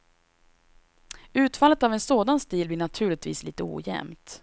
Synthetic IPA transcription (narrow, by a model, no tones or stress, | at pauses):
ʉ̟ːt̪falət̪avɛnsoːd̪anst̪iːlblɪɳat̪ʰʉ̟ːɭɪt̪vḭːsliːt̪əṵːjɛ̰mt̪